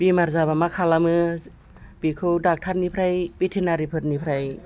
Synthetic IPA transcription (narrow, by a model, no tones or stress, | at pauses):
b̥imaɾzabamakʰalamɯ | b̥ikʰɯwdak̚tʰatnipʰɾajbitʰenaɾipʰɯt̚nipʰɾaj